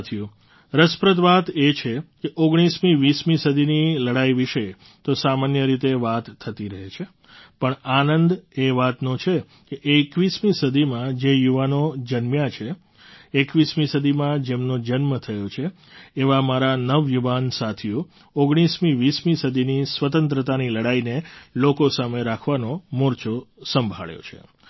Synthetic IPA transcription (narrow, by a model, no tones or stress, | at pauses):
t̪ʰiju | ɾəspɾət̪ʋat̪et͡ʃʰekeʔoɡɽ̃ismĩʋismĩsəd̪ʱiniləɽaiʋiʃəj | t̪osamanjəɾit̪eʋat̪ʰːət̪iɾəɦet͡ʃʰe | pəɳanənd̪eʋat̪nõt͡ʃʰe | keʔekʋismisəd̪ʱimãd͡ʒejuʋanod͡ʒənmjat͡ʃʰeː | kʋismisəd̪ʱimãd͡ʒemnod͡ʒənmət̪ʰəjot͡ʃʰeː | ʋamaɾanəʋjuʋansat̪ʰiu | oɡɽ̃ismiʋismisəd̪ʱinisʋət̪ənt̪ɾət̪aniləɽainelokosameɾakʰʋanomoɾt͡ʃosəmbʱa̰ɭjo̰t͡ʃʰḛ